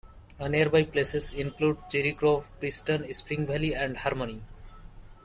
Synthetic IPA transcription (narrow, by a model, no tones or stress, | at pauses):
əneəɾbajplesesĩnkluɖt͡ʃiɾikɾovpɾisʈənispĩŋbʱɛliɛ̃ɳɖhaɾmoni